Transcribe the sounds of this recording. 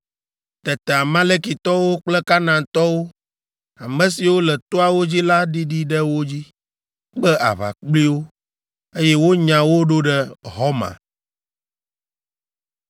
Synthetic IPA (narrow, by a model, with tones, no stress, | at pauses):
t̪ɛ˨t̪ɛ˨a˨mã˦le˦ki˨t̪ɔ˦wo˦k͡plɛ˦ka˦nã˨t̪ɔ˦wo˦ | a˨mɛ̃˦si˨wo˦lɛ˨t̪o˦a˨wo˦d͡ʑi˦la˦ɖi˦ɖi˦ɖɛ˦wo˦d͡ʑi˦ | k͡pɛ˦ʔa̰˨βa̰˨k͡pli˦wo˦ | e˦jɛ˦wo˦ɲã˨wo˦ɖo˦ɖɛ˦ɦɔ˦mã̰˨